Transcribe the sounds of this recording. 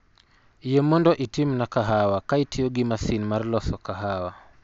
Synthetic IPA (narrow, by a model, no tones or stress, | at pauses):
jɛmɔndɔʔitimnakaɦawakaitiɔɡimasinmaɾlɔsɔkaɦawa